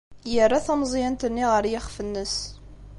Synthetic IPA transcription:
jərːæθæmzˤjænt̪ənːiʁəɾjɪχfənːəs

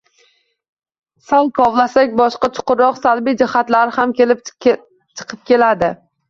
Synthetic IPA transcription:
salˠkʰɒvlˠasakʲbɒʃqɑt͡ʃʰʊ̥qʊɾɒqsalbijd͡ʒɪhat̪laɾɪhamkʰʲelɪ | t͡ʃʰɨ̥qʰɨp̚kʲʰe̞lad̪ɪ

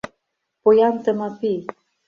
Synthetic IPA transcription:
pojɑnt̪əməpi

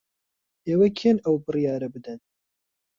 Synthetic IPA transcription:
eːwɐkʰeːnɐwbɨrijɑːɾɐbɨd̪ɨn

